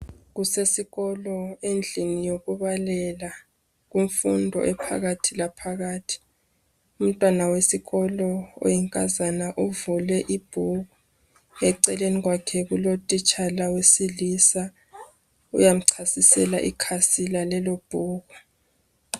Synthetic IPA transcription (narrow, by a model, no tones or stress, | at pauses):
ɣusesiɣɔlɔend͡ɮʱinijoɣuβalɛla | ɣuɱfundʱɔ̰ʔɛpʰa̰ɣatʰilapʰaɣaːtʰi̥ | um̩tʼwanawesiɣɔlɔo̰jɛŋkʼazanaʔuvulɛʔib̥ʱuɣu | ŋɛǀɛleniɣwakʰɛɣulotʼit͡ʃʼalawesilisa | ṵjam̩ǀʰasisɛ̰laʔḭkʰasilalɛlob̥ʱuːɣu